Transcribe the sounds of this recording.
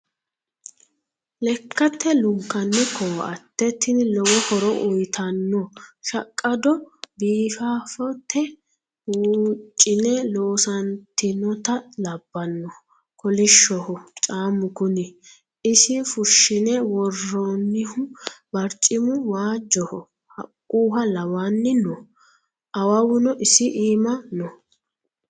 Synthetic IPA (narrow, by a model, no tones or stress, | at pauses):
lɛkːɐt̪ʰːɛlʊŋkːɐnːɪkʰɔwɐ̰t̪ːɛt̪ːɪnlɔwɔhɔɾɔʔʊjt̪ʰɐnːɔʃɐkʼːɐd̪ɔbiːfaːfɔt̪ʰːɛ | wuːt͡ʃʼːɪnɛloːsɐnt̪ɪnɔt̪ɐlɐbːɐnːɔ | kʰɔlɪʃːɔhɔt͡ʃʼaːmʊɡʊnɪ | ɪsɪfʊʃːɪnɛwɔrːɔnːɪhʊbɐɾt͡ʃʼːɪmʊwaːd͡ʒːɔhɔ | hɐ̰kʼːuːɦɐlɐwaːnːɪnɔ | ʔɐwɐwʊnɔʔɪsɪʔiːmɐnɔ